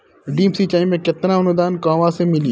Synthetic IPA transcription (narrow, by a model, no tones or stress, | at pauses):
ɖiːmsit͡ʃaːɪmːẽkɪt̪naʊnd̪aːnkãːʋasemɪliː